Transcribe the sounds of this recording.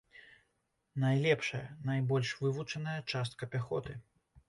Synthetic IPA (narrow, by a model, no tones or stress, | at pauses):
najlʲɛpʂɐjɐ̰najbɔlʲʂvɨvut͡ʂɐnɐjɐt͡ʂast̪̚kɐpʲaxɔt̪ɨ